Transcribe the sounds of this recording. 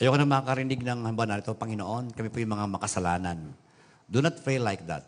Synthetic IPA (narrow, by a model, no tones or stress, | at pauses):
ʔɐjokonɐmɐŋakɐɾɪnɪɡ̚nɐŋhɐmbananɪt̪opɐŋɪnoʔo̞nkɐmipʊjʊŋmɐŋamɐkɐsɐlaːnan | d̪unat̪̚felajk̚d̪a̰t̪̚